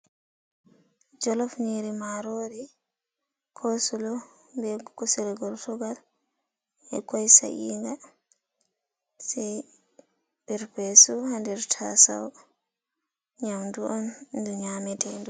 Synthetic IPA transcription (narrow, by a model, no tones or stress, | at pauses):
d͡ʒɔlɔfɲiɾimaɾoɾi | kʰɔsulɔ | bɛkɔsuɾɛɡɔɾtɔɡal | ɛ̰kɔjsa̰ʔḭːŋɡa | sɛj | biɾpesuhandɛɾtʰa̰sa̰w | ɲamduɔnduɲamɛtɛndu